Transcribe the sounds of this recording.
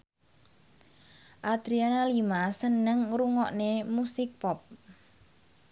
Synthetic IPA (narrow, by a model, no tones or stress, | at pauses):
ʔad̪̥ɾianalimasənəŋɾuŋɔʔnemusɪk̚pɔp̚